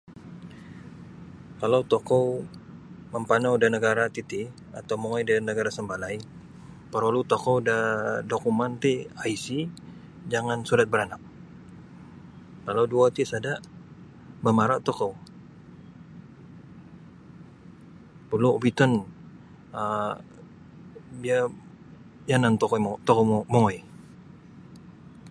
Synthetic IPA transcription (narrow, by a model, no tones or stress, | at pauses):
kalawt̪okɔw | məmpanawdanəɡaɾat̪it̪i | a̰t̪awmoŋajdənəɡaɾasəmbalaj | pəɾolut̪okɔwdadokumant̪iaisi | d͡ʒaŋansuɾat̪̚bəɾanak̚ | kalawduat̪isadaʔ | bəmaɾaʔt̪okow | pəluobit̪ɔn | a | bia | janant̪okot̪ɔkomoɔj